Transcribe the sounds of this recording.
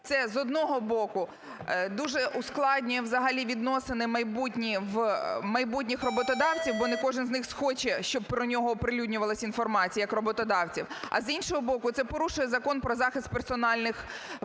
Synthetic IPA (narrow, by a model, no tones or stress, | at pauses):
t̪sɛzɔd̪nɔɦɔbɔkʊ | d̪uʒɛʔʊsklˠɑdʲnʲiwzɐɦɐlʲiʋʲid̪nɔsɪnɪmɐjbutʲnʲiʋmɐjbutʲnʲixrɔbɔt̪ɔd̪ɑwt͡sʲiwbɔnekɔʒɪnznɪxsxɔt͡ʃɛʃt͡ʃɔb̚pɾɔnʲɔɦɔːpɾɪlʲudʲnʲʊʋɐlˠɐsʲinfɔrmɑt͡sʲijɐkrɔbɔt̪ɔd̪ɑwt͡sʲiwɐ̰zinʃɔɦɔbɔkʊt̪sɛpɔɾuʃʊjɛzɐkɔnpɾɔzɑxɪst̪̚persɔnɑlʲnɪx